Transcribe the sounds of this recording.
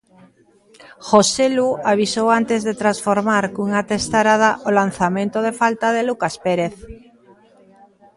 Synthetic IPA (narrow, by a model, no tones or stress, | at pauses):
xoseluaβisowant̪ezðet̪ɾasfoɾmaɾkuŋat̪est̪aɾaðaʔolanθamẽnt̪oð̞efalt̪aðelukaspeɾeθ